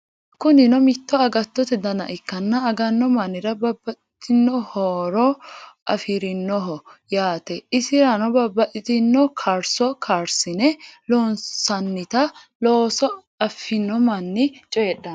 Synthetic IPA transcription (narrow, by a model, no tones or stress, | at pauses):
kʊnɪnɔmɪt̪ːɔɐɡɐt̪ːɔt̪ɛd̪ɐnɐ̰ʔɪkːɐnːɐɐɡɐnːɔmɐnɪɾɐbɐbːɐɪt̪ɪnːɔhoːɾɔɐfɪɾɪnːɔɦɔjaːt̪ɛɪsɪɾɐnɔbɐbɐʔɪt̪ɪnːɔkʰaːɾsɔkʰaːɾsɪnɛloːnsɐnːɪt̪ɐ | loːsɔ | ɐfːɪnːɔmɐnːɪt͡ʃʼɔɛɗɐn